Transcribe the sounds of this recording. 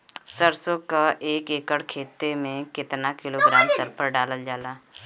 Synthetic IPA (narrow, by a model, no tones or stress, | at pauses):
səɾsokaʔeːkeːkəɽkʰeːt̪emẽkɪt̪nakɪloːɡɾaːmsəɾpəɾɖaːləld͡ʒaːlaː